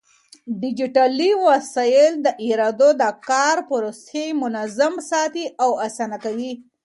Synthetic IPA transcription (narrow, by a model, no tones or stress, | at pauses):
ɖɪd͡ʒiʈaliwasɑjeld̪əʔɪɾɑd̪od̪əkɑɾpʊɾosemʊnazamsɑt̪iʔawasanakawi